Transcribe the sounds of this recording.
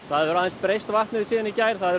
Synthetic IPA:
θaðvɛɾaðɪnspɾejst̪vaht̪nɪðsiːðɪnicajɾ̥θaðɛɾ

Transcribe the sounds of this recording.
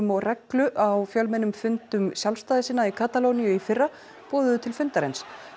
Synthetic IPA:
mɔɣrɛklʏʔawfjœlmɛnʏmfʏnt̪ʏmsjalfst̪aːðɪsiːnːaikʰaːt̪alownijʏifɪrːa | pɔːðʏðʏt̪ʰɪlfʏnt̪aɾejns

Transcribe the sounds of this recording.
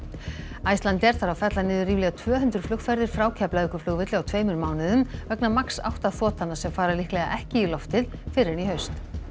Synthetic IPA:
ajst̪ant̪ɛɾ̥θaɾawfɛt̪lanɪːðʏɾriːvlɛɣat̪ʰvœːɦʏnt̪ɾʏ̥flʏktfɛɾðɪɾ̥fɾaːwcʰaplaðɪkʏflʏɣvɪt̪lɪawt̪ʰveːjmʏɾmaːwnɪðʏmvœknamaksa̰wht̪aθɔːt̪ʰanːasɛmfaːɾalihklɛɣa̰ʔɛhcɪilɔft̪ɪðfɪɾɪniɦœɥst̪

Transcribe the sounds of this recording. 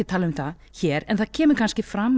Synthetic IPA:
ɪt̪ʰaːlaðʏmθaçɛːɾɛnθaðcʰɛːmʏɾkʰanscɪfɾamː

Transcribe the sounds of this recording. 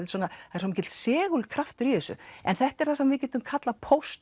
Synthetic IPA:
ɪlsɔːnaaɛɾsɔmːcɛt̪l̥sɛːɣʏlkʰɾaft̪ʏɾiθɛsʏ̰ɛ̰nθɛht̪ɛɾ̥θasɛmvɪcɛːt̪ʏmkʰat̪lapʰowst̪

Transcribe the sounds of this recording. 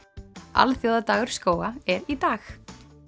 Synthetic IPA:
ʔa̰lθjoːwðat̪aːɣʏɾ̥skoːwaɛɾit̪aːx

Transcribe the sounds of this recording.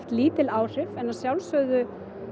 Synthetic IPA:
t̪liːt̪ɪlaːwr̥ɪvɛnaɾsjawlsœːɥðʏ

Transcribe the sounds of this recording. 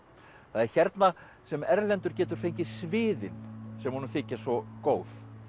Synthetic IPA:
θaðɛɾ̥çɛɾt̪na | sɛmɛɾlɛnt̪ʏɾ̥cɛːt̪ʏɾ̥fejɲcɪsvɪːðɪnsɛmhunʏθɪːcasɔkoːwθ

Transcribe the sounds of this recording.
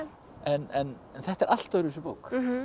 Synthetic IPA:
ɛnɛn | nθɛht̪ɛɾʔal̥t̪aðɾɪsʏpoːwk

